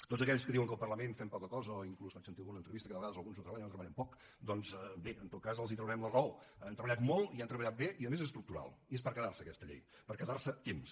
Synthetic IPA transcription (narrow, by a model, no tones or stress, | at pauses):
t̪odzəkɛʎskəðiwəŋkəlˠpərləmenfɛmpɔkəkɔzəɔiŋklusfat͡ʃsəniunənt̪ɾəβist̪əkəðəəɣaðəzəlˠɣunzut̪əβaʎənot̪ɾəβəʎɛmpɔk | d̪ɔnzbeənt̪ot̪kazəlˠzit̪ɾəwɾɛmlərwənt̪ɾəβəʎat̪molˠt̪iant̪ɾəβəʎat̪̚beʔiəðəmezes̬t̪ɾuk̚t̪uɾa̰lˠiespəɾkəðarsəːkɛst̪əʎḛj | pəɾkəðarsət̪ems